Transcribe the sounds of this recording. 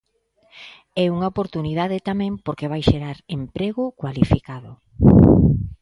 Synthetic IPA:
ɛuŋaopoɾt̪unið̞aðet̪amɛ̃mpoɾkeβajʃeɾaɾempɾeɣʊkwalifikaðʊ

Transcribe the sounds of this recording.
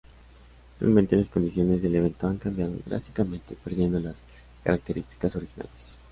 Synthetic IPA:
sa̰lmẽnt̪e̞lasko̞nd̪isjone̞zðe̞leβ̞e̞nt̪o̞aŋkambjaðo̞̰ɣɾa̰st̪i̥kamẽ̞nt̪e̞pe̞ɾðje̞nd̪o̞las | ka̰ɾak̚t̪e̞ɾist̪i̥kaso̞ɾixina̰les

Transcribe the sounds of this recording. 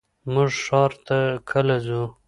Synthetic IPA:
mʊʐʂɑɾt̪akʰəlazu

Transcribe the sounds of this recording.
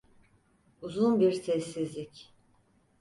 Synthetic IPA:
uzunbiɾsʰɛsːizlʲic

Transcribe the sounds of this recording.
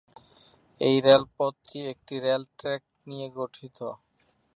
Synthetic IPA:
ejɾelpot̪ʰːiek̚ʈiɾelʈɾɛk̚ʈnijeɡoʈʰit̪o

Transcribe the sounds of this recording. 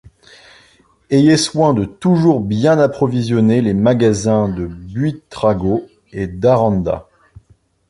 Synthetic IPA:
ejeswɛ̃d̪ət̪uʒuʁbjɛ̃napχɔvizjɔnelemaɡazɛ̃d̪əbɥit̪χaɡo | ed̪aʁɑ̃nd̪a̰

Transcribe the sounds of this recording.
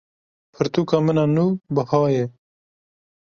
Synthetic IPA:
pʰɨɾt̪uːkamənanubəhɑːje

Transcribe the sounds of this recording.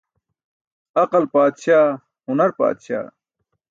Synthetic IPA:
ɐqɐlpaːd̪ɕaː | hunɐɾpa̰ːd̪ɕa̰ː

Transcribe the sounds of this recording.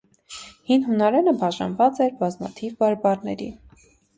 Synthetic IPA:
hinɦunɑɾɛnəbɑʒɑ̰nvɑt͡sɛɾbɑzmɑ̰t̪ʰivbɑɾbɑɾnɛ̰ɾḭ

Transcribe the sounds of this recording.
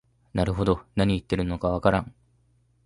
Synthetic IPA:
naɾɯ̟ɦo̞d̪o̞naɲ̟iːt̪ːe̞ɾɯ̟nːo̞kaβ̞akaɾã̰ŋ

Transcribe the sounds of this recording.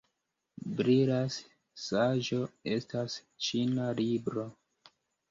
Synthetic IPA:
bɾiɾas | saʒo̞e̞stas | t͡ʃinalibɾo̞

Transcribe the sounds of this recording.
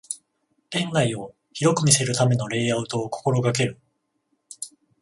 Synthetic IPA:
ẽ̞ŋɡaio̞ | çiɾo̞kɯ̟mʲise̞ɾɯ̟t̪ame̞no̞ɾe̞ːaɯ̟t̪o̞ːko̥ko̞ɾo̞ɡake̞ɾɯ̟

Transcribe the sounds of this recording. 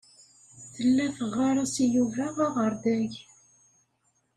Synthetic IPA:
θəlːæfəʁːaɾˤasijuvæʁaʁəɾˤd̪æʝ

